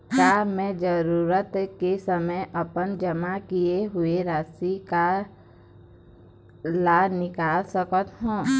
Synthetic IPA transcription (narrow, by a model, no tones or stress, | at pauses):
kaːmɛ̃d͡ʒəɾuːɾət̪kesəməjʔəpənd͡ʒəmakijeɦʊeɾaːsika | laːnɪkaːlsəkət̪ɦũː